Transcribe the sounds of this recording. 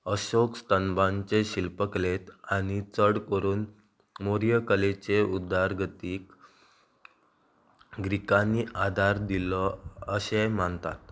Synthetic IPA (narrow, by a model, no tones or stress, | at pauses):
əɕokst̪ənbãɲt͡ɕeɕilpəklet̪aɽ̃it͡səɽkəɾuːn | moɾijəkəlet͡ɕeud̪ʱaɾɡʱət̪iːk | ɡɾikaniʔad̪ʱaɾd̪ilɔəɕemant̪a̰t̪̚